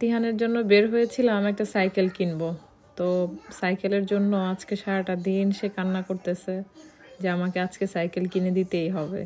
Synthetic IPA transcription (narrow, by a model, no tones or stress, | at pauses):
t̪iɦaneɾd͡ʑonːobeɾɦojet͡ɕʰilammɛk̚ʈasajkelkinbo | t̪osajkeleɾd͡ʑonːoad͡ʑkeʃaɾaʈad̪inʃekanːakoɾt̪et͡ɕʰe | d͡ʑeamakead͡ʑkesajkelkined̪it̪ejɦɔbḛ